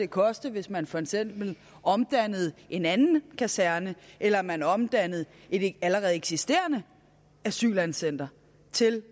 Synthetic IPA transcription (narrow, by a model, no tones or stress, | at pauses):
e̝kʰɒ̽sd̥əʋe̝smænfɒ̽eɡ̥sem̰b̥l̩ | ɒ̽md̥ænð̞̩ˠʔe̝nænn̩kʰæsæɐnəʔelɐmænɒ̽md̥æn̰ð̞̩ˠ | e̝dæləʁɛːð̩ˠeɡ̥sisd̥e̝̰ːɐnə | æsy̰ːlænsen̰d̥ɐ | t͡sʰe̝l